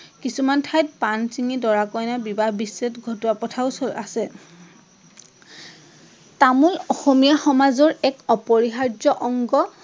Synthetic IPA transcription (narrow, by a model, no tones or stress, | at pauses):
kisumantʰajt̚pansiŋidɔɹakɔjnabibabisːetɡʱɔtɔapɔtʰaʊsola̰sɛ | tamulɔxomijaxɔmazɔɹɛkɔpɔɹiɦaɹzɔʔɔŋɡɔ